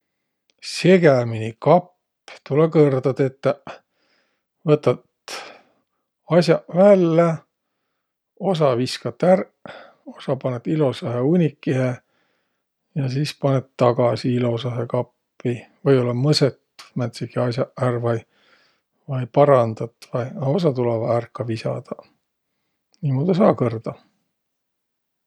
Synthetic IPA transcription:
se̞ɡ̥æminʲikɑpː | t̪ulekɤrd̪ɑd̪e̞t̪ːæ | vɤt̪ːˑɑt̪ | ɑsʲjɑʔvælːe | o̞s̬ɑviskɑt̪ːær | o̞sɑpɑnet̪ilo̞sɑɦeunʲikːihe | jɑsispɑnet̪t̪ːɑɡ̥ɑsiilo̞sɑɦekɑpːivɤjo̞lːɑmɤset̪mæt̪sikiɑsjɑʔærvɑj | vɑjpɑɾɑnd̪ɑt̪ːvɑjɑo̞s̬ɑt̪ulɑvɑærkːɑvisɑ̰d̪̥ɑ | niːmoːd̪̥ɑs̬ɑːkɤrd̪̥ɑ

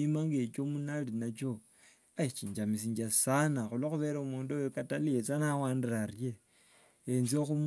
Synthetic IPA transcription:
imaŋɡe̞t͡ʃomunalinat͡ʃo̞ | ait͡ʃiːɲd͡ʒamisiːɲd͡ʒasanaxuloxuβe̞ːɾaumuːndojokatalijet͡sanawaːndirarje | enzioxum

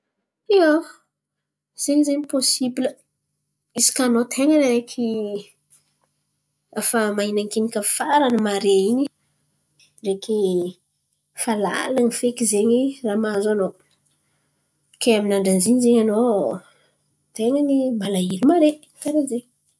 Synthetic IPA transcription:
io | z̥eɲizeɲiposibilə | isi̥kanot̪ʰeŋanɾekʰi | afamainaŋkinikəfaɾanəmaɾeiɲi | reki | fala̰lanifekizeɲiramazano | keaminaɳɖ͡ʐanziɲizeɲano | t̪eŋanimalailimaɾe | kaɾezeɲ

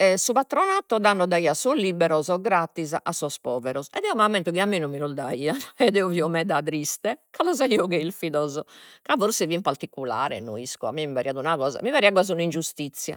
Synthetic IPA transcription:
ɛsupat̪ɾɔnat̪ːɔd̪anːɔd̪aiːasɔlibɛɾɔzɔɡɾat̪ːizʔasːɔspɔːvɛɾɔsɛ̰d̪ɛumamːɛnt̪ukiamːinumːilɔd̪aiːaɛd̪ɛuviɔmɛd̪at̪̬ɾist̪ɛkalɔzaiɔkɛilfiðɔzɔkavoɾsɛvimpaɾt̪ikːula̰ːɾɛ̰noiskua̰mːimivaɾiad̪unaɣɔːza̰mivaɾiaɡwazunind͡ʒust̪it̪sːja̰

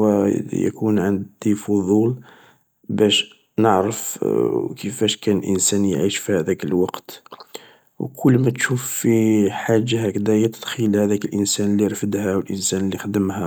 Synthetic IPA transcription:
wæjæ̰kunʕənd̪ifʊðˤul | bæʃ | nəʕɾəfkʰəfæʃkænəlʔə̰nsænjʕiʃfihæd̪ækəlwɑqt̪ | wkʰʊlːmæt̪ʃufːiħaʒːahækd̪æjæt̪əd̪xilhæd̪ækəlʔənsænəlːiɾfəd̪hæwəlʔənsænəlːixd̪əmhæ

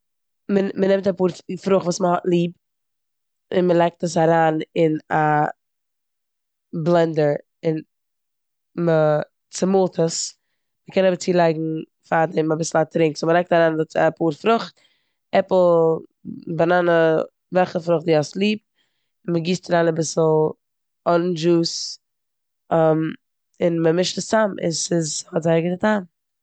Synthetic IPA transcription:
məmənɛmtapuːɾfɾʊχtvuːsməhɔtlˠiːp | ɪnməlˠaɪk̚təs̬aɾaːnɪna | blˠɛndəɾ | ɪn | mə | t͡sɪmʊlˠtʰəs | məkʰɛnɔbət͡siːlˠaɪɡŋ̩ | fadɛmabɪsl̩ˠatɾɪŋksʊməɾɛk̚taɾaːnɛpuɾfɾʊχt | ɛpl̩ˠ | bananə | vɛlˠχəfɾʊχt̚diːaslˠiːp̚ | ɪnməɡiːstaɾaːnabɪsl̩ˠ | ɔnd͡ʒuːs | am | ɪnməmɪʃtəstamʔɪ̰sɪzhɔtzaɪɡɪdətʰaːm

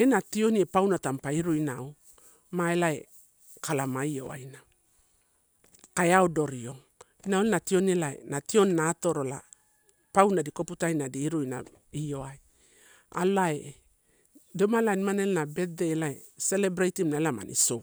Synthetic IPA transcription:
e̞natio̞niepawnatampaiɾujnao | maelae | kalamaio̞̰a̰jna | kaeaodo̞ɾio̞ŋ | inaolenatio̞nelaḛnatio̞nːato̞ɾola̰ | pawnadiko̞putajnadiːɾujna̰ | io̞aj | a̰lae | domalanimanelnabe̞t̚deːlaese̞le̞bɾajtimnaelama̰nʔḭso

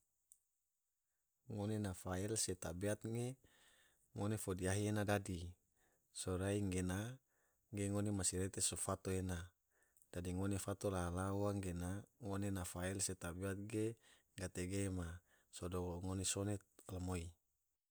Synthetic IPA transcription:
ŋonenafaɛlset̪abeat̪̚ŋe | ŋonefodiaɦienadadi | soɾaiŋɡena | ɡeŋonemasiɾet̪esofat̪oena | d̥adiŋonefat̪olaɦalawaŋɡenaŋonenafaɛlset̪abeat̪̚ɡe | ɡat̪eɡema | sodooŋonesonɛt̪̚lamoi

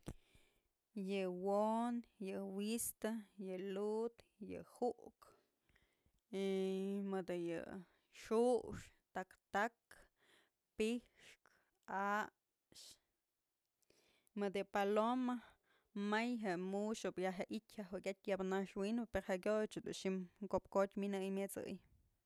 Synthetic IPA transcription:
jɨwonjɨwist̪ajɨlut̪ | jɨ̰huʔk | emɨd̪ɨjɨ̰ | ʂuʂ | t̪akt̪ak | pihʂk | a | ʃ | mɨd̪ɨpaloma | majɦemuʃopjaɦeʔitʲhaɦukʲat̪̚ʲjabnaʂwinbɨpeɾhaʔkʲot͡ʃɨd̪ṵnʃimkopkot̪ʲminɨjmjɨt͡sɨ̰j

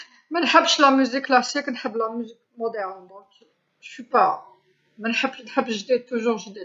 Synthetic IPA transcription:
mænħəbːʃlæmyzikːlɑsiknħəbːlæmyzik̚mod̪ɛʁnbõk | ʃypa | mænħəbːnħəbːʃʒd̪id̪̚t̪ːuʒuʁʒd̪id̪̚

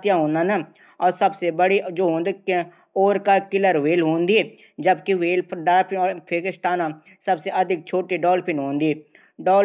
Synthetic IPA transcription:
t̪jãɦõːnd̪aːna | ɔːɾsəbsebəɽid͡ʒoːɦõːnd̪k | oːɾkakɪləɾʋeːlɦõːnd̪i | d͡ʒəbkiweːlɖaːlpʰɪnɔːpʰeːkɪʃʈ̪aːnã | sɐbseʔɐd̪ʱɪk̚t͡ʃʰoːʈiɖɔːlpʰɪnɦõːnd̪iː | ɖɔː

